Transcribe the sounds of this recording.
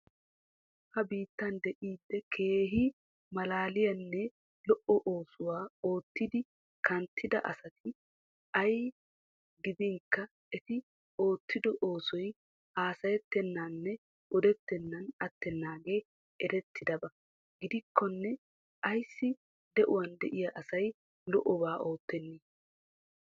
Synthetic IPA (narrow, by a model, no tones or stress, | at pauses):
hɐbiːt̪ːɐnd̪ɛʔiːd̪ːɛkʰe̞ːɦɪ | mɐlaːlɪjɐnːɛ | lɔʔɔʔoːsʊwaːo̞ːt̪ːɪd̪ɪ | kʰɐnt̪ʰːɪd̪ɐʔɐ̰sɐt̪ʰɪ | ʔɐj | ɡɪd̪ɪŋkːɐ | ɛt̪ɪ | o̞ːt̪ːɪd̪ɔʔo̞ːsɔj | aːsɐjɛt̪ːɛnːaːnːɛ | ɔd̪ɛt̪ːɛnːɐnɐt̪ːɛnːaːɡe̞ː | ɛɾɛt̪ʰːɪd̪ɐbɐ | ɡɪd̪ɪkʰːɔnːɛ | ʔɐjsːɪ | d̪ɛʔʊwɐnd̪ɛʔɪjɐʔɐsɐj | lɔʔɔbaːʔo̞ːt̪ːɛnːiː